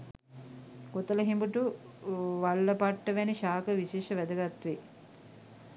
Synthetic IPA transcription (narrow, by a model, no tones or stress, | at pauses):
ɡot̪ələɦimbuʈu | ʋalːəpaʈːəʋæniʃaːkəʋiʃeːʃəʋæd̪əɡat̪ʋe